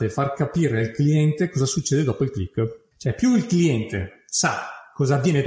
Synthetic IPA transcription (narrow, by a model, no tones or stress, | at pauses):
t̪efarkapiːɾealkliɛnt̪ekɔːzasut͡ʃːeːd̪ed̪ɔːpoilklikː | t͡ʃoɛpjuilkliɛnt̪ḛsakːɔːzaːvjeːne